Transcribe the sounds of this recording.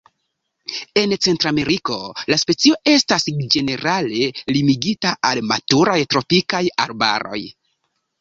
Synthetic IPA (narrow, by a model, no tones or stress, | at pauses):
e̞nt͡se̞ntɾame̞ɾiko̞laspe̞t͡sio̞e̞stasd͡ʒe̞ne̞ɾale̞limiɡitaʔalmatuɾajtɾo̞pikaja̰ɾba̰ɾo̞̰j